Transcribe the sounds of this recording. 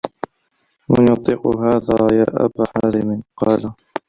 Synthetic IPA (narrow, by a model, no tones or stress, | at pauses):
manjʊt̪ˤːiːqʊɦaːðaːja̰ːʔa̰baħaːɾɪmɪqɑːla